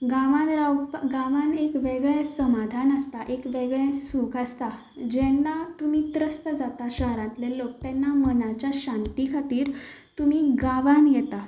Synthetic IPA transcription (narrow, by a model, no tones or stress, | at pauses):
ɡaʋãnɾawpɡãʋãnekʋeɡɭɛsəmad̪ʱanəst̪aʔekʋeɡɭɛ̃sukʰast̪a | d͡ʑɛnːat̪um̤it̪ɾəst̪əd͡zat̪aɕəɦɾãt̪lelok̚t̪ɛnːamənat͡ɕjaɕãnt̪ikʰat̪iːɾ | t̪umiɡaʋanjɛt̪a